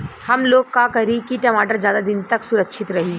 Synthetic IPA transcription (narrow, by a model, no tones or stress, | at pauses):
hɐmloːɡkakɐɾikiʈɐmaːʈəɾzjaːd̪ad̪ɪnt̪ɐksʊɾəkʃɪt̪ɾɐɦiː